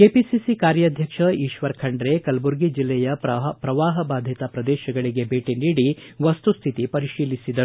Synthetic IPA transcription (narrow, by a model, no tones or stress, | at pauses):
keːpisisikaːɾjɐd̪ʱjɐkʂɐiːʃʋɐɾkʰɐɳɖɾe̞kɐlbuɾɡid͡ʒilːɛjɐpɾɐʋaːɦɐbaːd̪ʱjɐt̪ɐpɾɐd̪ɛːʃɐɡɐɭiɡe̞bʱeːʈiniːɽiʋɐst̪ust̪ʰit̪ipɐɾiʃiːlisid̪ɐɾu